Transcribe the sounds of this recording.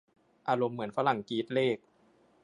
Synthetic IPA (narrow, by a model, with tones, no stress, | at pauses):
ʔaː˧ɾo˧mːɯ˩˦ənfa˦˥la˨˩ŋkiː˦˥t̪̚leː˥˩k̚